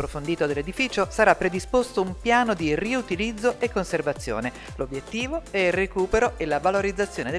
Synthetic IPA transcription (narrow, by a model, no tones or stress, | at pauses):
pɾofond̪iːt̪od̪elːed̪ifiːt͡ʃosaɾapːɾed̪ispost̪oumpjaːnod̪iriut̪ilid̪zːoʔekːonservat̪sːjo̰ːne | lobjet̪ːiːvoɛilrekuːpeɾoʔelavaloɾid̪zːat̪sːjoːned̪e